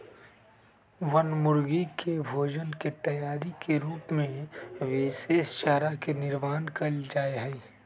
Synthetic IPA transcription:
ʋənmʊɾɡikʰebʱoːd͡ʒənket̪ɐjaːɾikeɾuːpmẽʋɪseːst͡ʃaɦɾakenɪɾmaːnkɐld͡ʒaːeɦɛi

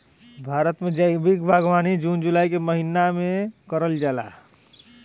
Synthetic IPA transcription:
bʱaːɾət̪med͡ʒəjbikbʱaɡʋaːnid͡ʒund͡ʒulaːjkeməɦinamekəɾəld͡ʒala̰

